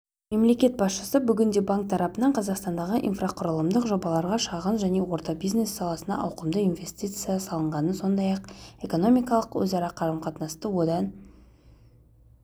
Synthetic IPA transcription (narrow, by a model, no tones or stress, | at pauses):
me̞mle̞kʲe̞t̪̚bɑsʃəsəbʏɡʲɪnd̪e̞baŋk̚t̪ʰɑɾɑpənɑɴqʰɑzɑqst̪ɑnd̪ɑʁəʔḭnfrɑqʰʊɾəlˠəmd̪əqʒo̞bɑlˠɑɾʁɑʃɑʁənʒæne̞wo̞ɾt̪ɑbijzne̞sːɑlˠɑsənɑ̰ʔɑwqəmd̪əinve̞sʲt̪ʲit̪sɨjɑsɑlˠəɴʁɑnənso̞nd̪ɑjɑqe̞ko̞no̞mʲijkɑlˠəqwɵ̰zɑɾɑqʰɑɾəmqʰɑt̪nɑst̪əwo̞d̪ɑn